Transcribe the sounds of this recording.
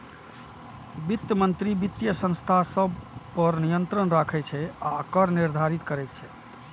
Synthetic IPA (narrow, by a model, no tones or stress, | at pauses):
bit̪jəmənt̪ɾibit̪jəsə̃nst̪ʰasəbpəɾnijənt̪ɾənɾakʰɛt͡ʃʰɛaəkəɾniɾd̪ʱaɾit̪kəɾɛt̪̚t͡ʃʰɛ